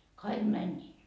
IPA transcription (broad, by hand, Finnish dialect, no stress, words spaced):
kɑik mænʲːiː